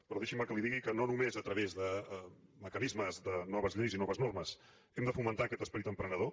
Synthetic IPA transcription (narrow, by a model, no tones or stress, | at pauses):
pɾɔðeʃiməkəliðiɣikənonumezət̪ɾəβezðəməkənizməzðənɔβəzʎɾizinɔβəznorməs | ɛmd̪əfumənt̪aəkɛt̪əspəɾit̪əmpɾənəðo